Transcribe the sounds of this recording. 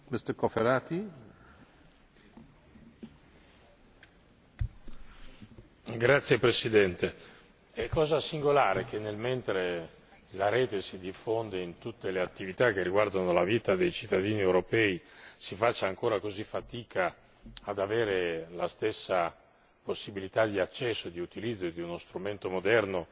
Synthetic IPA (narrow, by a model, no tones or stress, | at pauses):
mest̪ekofeɾaːt̪i | ɡɾat̪sːjepɾesid̪ɛnt̪e | ɛkːɔːzasiŋɡolaːɾek̟ʰenːelment̪ɾe | laɾeːt̪esid̪ifond̪eint̪ut̪ːeleat̪ːivit̪ak̟ːerːiɡward̪anolaviːt̪ad̪ejt͡ʃit̪ːad̪iːniewɾopɛːisifat͡ʃːaːŋkoːɾakozifat̪iːkʰa | ad̪aveːɾelast̪esːa | posːibilit̪ad̪iat͡ʃːɛsːod̪iut̪ilid̪zːod̪iunost̪ɾument̪omod̪ɛrno